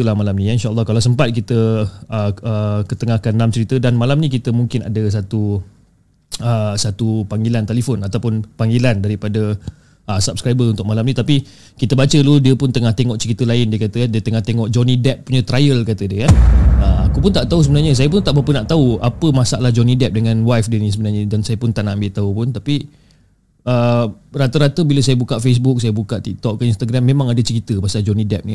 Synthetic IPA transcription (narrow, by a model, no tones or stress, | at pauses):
lahmalamnĩainʃaʔːlːɑkalasəmpat̪̚kit̪əəəkət̪əŋahkanːamt͡ʃəɾit̪ədanmalamnĩk̬it̪əmuŋkɪna̰dəs̬at̪u | əsat̪upaŋɡilant̪elifɔnat̪awpʊnpaŋɡilandaɾipadə | ʔəsap̚skɾajbəunt̪ʊk̚malamnĩt̪api | kit̪əbat͡ʃəludiəpʊnt̪əŋaht̪eŋɔʔt͡ʃəɾit̪əlaɪndiəkat̪ədiət̪əŋaht̪eŋɔʔd͡ʒɔnĩdɛp̚puɲət̪ɾajəlkat̪ədiəkanəakupʊnt̪aʔt̪aus̬əbənaɲəs̬ajəp̬ʊnt̪aʔbapənaʔt̪auapəmasa̰ʔlahd͡ʒonidɛp̚dəŋãnwajfdiənisəbənarɲədansajəpʊnt̪aʔnaambɪʔt̪aupʊnt̪api | ərat̪əɾat̪əbiləsajəbukaʔfes̬bʊk̚sajəbukaʔt̪ik̚t̪ɔk̚kainst̪aɡɾamːemãŋadət͡ʃəɾit̪əpasald͡ʒonidɛp̚ni